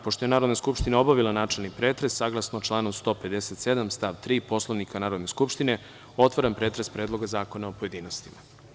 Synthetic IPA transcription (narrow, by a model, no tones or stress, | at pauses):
poʂt̪oenaːɾod̪naskupʃt̪inao̞baʋilˠanaːt͡ʃelnipɾeːt̪ɾesːaɡlˠasnot͡ʃlˠaːnost̪o̞ːped̪eset̪sed̪amst̪aːʋt̪ɾiːpo̞slˠoʋnikʰanaːɾod̪neskupʃt̪ine̞ | o̞t̪ʋoɾanpɾeːt̪ɾespɾe̞ːd̪lˠo̞ɡazaːko̞naopoje̞d̪iːnost̪ima